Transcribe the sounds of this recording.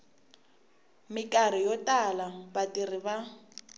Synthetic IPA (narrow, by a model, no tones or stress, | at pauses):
mɪkʼarijɔtʼalabatirɪba